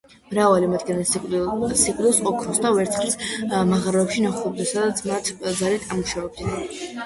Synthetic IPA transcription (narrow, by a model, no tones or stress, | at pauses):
mɾavalimad̪ɡani | siqʼlilˠsɔkʰɾɔsd̪avɛɾt̪ʰχɾismaʁaɾɔɛpʃinaχlˠɔb̚d̪asad̪at̪sʰmat̪ʰd̪zalit̪ʰʼamuʃavɛb̚d̪i